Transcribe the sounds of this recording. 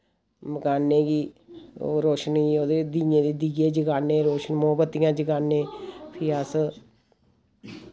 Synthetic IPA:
məkaːnːeːɡiːo̰ːɾoːʃəniːoːd̪ed̪ijẽːd̪eːd̪iɡeːd͡ʒəɡaːnːẽːɾoːʃənmoːbət̪ːɪjãːd͡ʒəɡaːnẽːpʰɪːaːs

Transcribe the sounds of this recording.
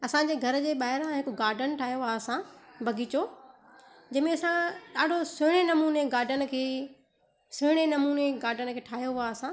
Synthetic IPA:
ɐsãːɲd͡ʑeːɡʱɐɾ̆d͡ʑeːɓaːɦɪɾãɦɪkoɡaːɾɖənʈʰaːjoasãbʱɐɡit͡ɕo | d͡ʑɐ̃ɦmẽɐsãɗaːɖʱosɦɪɽ̃enɐmuːneɡaːɾɖənə̆kʰeː | sʊɦɽ̃enɐmuːneɡaːɾɖənə̆kʰeːʈʰaːɦijoɦaɐsãː

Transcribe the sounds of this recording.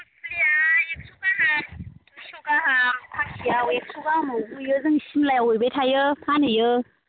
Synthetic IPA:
lijajak̚sʰuɡaɦa | suɡaɦapʰakʰijawek̚suɡahmɔɡujɯzɯŋsimlajawɯjbejtʰajɯpʰanɯjɯ

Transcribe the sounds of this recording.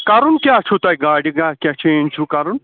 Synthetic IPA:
kaɾunkʲat͡ʃʰut̪ajɡaɽiɡakʲat͡ʃent͡ʃʰukaɾun

